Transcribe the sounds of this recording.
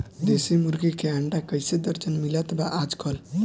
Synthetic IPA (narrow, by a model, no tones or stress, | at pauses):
d̪esimuɾɡikeaɳɖakəjsed̪əɾt͡ʃənmilət̪baʔad͡ʒkʰɔl